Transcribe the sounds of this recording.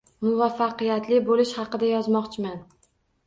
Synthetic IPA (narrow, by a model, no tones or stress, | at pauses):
mʊvafːaqɨjat̪lɪbolɪʃhɑqɨd̪ajɒzmɒqt͡ʃʰɪman